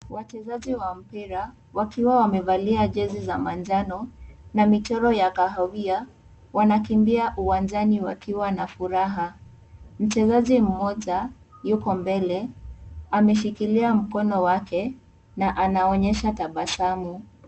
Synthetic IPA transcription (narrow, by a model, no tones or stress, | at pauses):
wat͡ʃɛzaʄiwam̩piɾa | wakiwawamɛvaliaʄɛzizamand͡ʒanɔnamitɔɾɔjakaɦawia | wanakimbiaʔuwand͡ʒaniwakiwanafuɾaɦa | m̩t͡ʃɛzaʄim̩mɔʄa | jukɔmbɛlɛ | amɛʃ̬ikiliam̩kɔnɔwakʰɛ | naʔanaɔɲɛʃataɓasamu